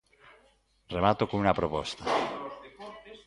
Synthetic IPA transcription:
remat̪okonunapɾopɔst̪a

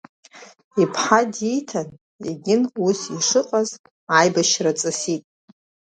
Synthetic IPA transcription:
ipʰħadijtʰan | ḛɡʲɪnusiʂɨqʼaz̥ | ajbaʃrat͡sʼɨsitʼ

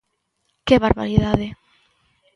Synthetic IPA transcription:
keβaɾβa̰ɾiðaðɪ

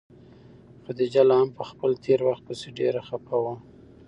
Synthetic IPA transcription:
xod̪əd͡ʒalahampəxpəlt̪ʰeɾwaxt̪̚pəseɖeɾaxapawa

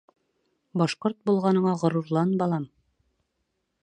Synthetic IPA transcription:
bɒʃqoɾt̪̚bulˠʁɑnɤ̆ɴɑʁŏɾuɾlˠɑnbɑlˠɑm

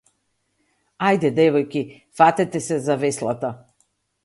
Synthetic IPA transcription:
ajd̪ɛd̪ɛvɔjki | fat̪ɛt̪ɛsɛzavɛslˠat̪a

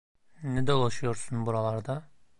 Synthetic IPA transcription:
nɛd̪olˠaʃujo̞ɾsunbuɾalˠaɾd̪a

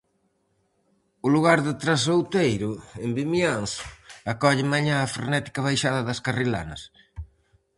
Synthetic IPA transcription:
ʊluɣaɾðɪt̪ɾasowt̪ejɾʊembimjansakɔʎɪmaɲãːfɾḛnɛt̪i̥kɐβajʃaðɐðɐskarila̰nɐ̰s

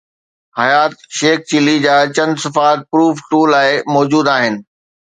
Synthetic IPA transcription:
hɐjaːt̪̚ʃeːk̚t͡ɕɪlid͡ʑaːt͡ɕɐ̃nsɪfaːt̪̚pɾuːfʈuːlaːɪmɔːd͡ʑuːd̪aːɦɪnɪ̆

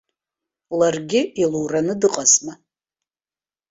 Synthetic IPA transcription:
lɐrɡʲɪiluwrɐnɨdɨqʼɐsmɐ

